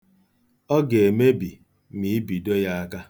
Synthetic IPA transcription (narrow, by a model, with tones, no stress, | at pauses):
ɔ˦ɡe˨e˨me˦bi˨ | mi˨˦bi˨dɔ˦ja˦a˦ka˦